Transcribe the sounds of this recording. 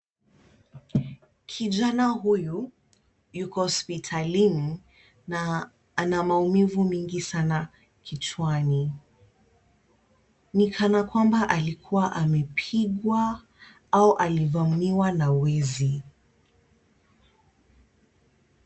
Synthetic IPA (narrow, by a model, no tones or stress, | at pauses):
kʰiʄanaɦuju | jukɔhɔspitʰalini | namaumivumiŋɡisana | kʰit͡ʃwani | nikʰanakwambaʔalikʰuwaʔamɛpʰiɠwa | auʔalivamiwanawɛzi